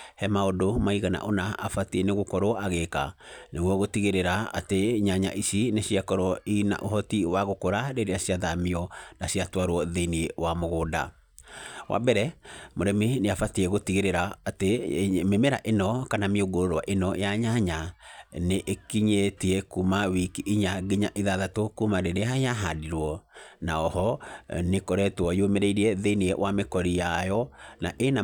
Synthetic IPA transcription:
hɛmaodomaiɣana̰ʔonaafatiɛneɣokɔɾɔaɣeka̰neɣwɔɣotiɣeɾeɾaa̰teɲaɲa̰ʔisineɕiakɔɾwɔina̰ʔohɔtiwaɣokoɾaɾeɾeaɕjaðamiɔnaɕijatwaɾwɔðeniwamoɣoːda̰ | wʔa̰bɛɾɛmoɾɛmeneafatiɛɣotiɣeɾeɾaːtememeɾaʔenɔkanamioɡoɾoɾwaʔenɔjaɲaɲaneʔekiɲetiɛkumawikiʔiɲaɡiɲaʔeðaðatokumaɾeɾeɦajaɦadiɾwɔnaɔhɔnekɔɾɛtwɔjomeɾɛiɾiɛðeiniɛwʔamekɔɾijajɔnaʔena

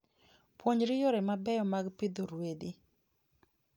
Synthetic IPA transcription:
pwoɲɾɪjɔɾɛmabɛjɔmaɡpɪd̪oɾwedi

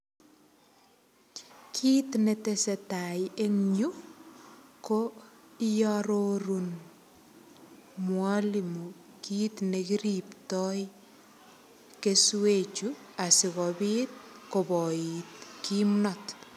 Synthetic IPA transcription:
kʰiːt̪netesetajeŋɲu | koijaɾoɾun | mwalimu | kiːt̪nekiɾiptɔj | keswet͡ʃuasikɔbiːt̚kobɔitkimnɔt

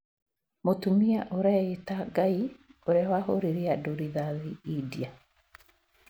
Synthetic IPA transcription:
motumiaʔoɾɛetaɡaioɾeawahoɾeɾeadoɾiðaðiidia

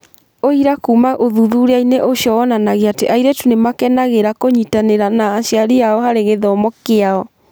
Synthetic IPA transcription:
oiɾakumaʔoðuðuɾeaineʔoʃjɔɔnanaɣeateʔaiɾetunemakɛnaɣeɾakoɲitaneɾanaːʃjaɾiaɔhaɾeɣeðɔmɔkeaɔ

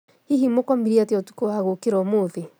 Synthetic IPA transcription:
hiɦimokɔmiɾiateɔtu̥koaɣokeɾɔmoðe

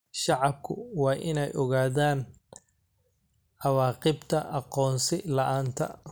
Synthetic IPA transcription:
ʃɑʕɑb̚kʰʊ̰wɑːʔɪnɛjʔɔɣaːðaːn | ʔɑwɑːqɪbt̪ʰɐʔɑqɔːnsɪlɐʔaːnt̪ʰɐ̰

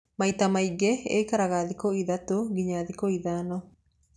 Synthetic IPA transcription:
maitamaiɡeḛikaɾaɣaðikɔiðatoɡiɲaðikɔiðaːnɔ

